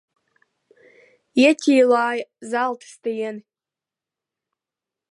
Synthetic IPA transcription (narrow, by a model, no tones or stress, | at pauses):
jatʲʰijlaːjzaltʰstʰajen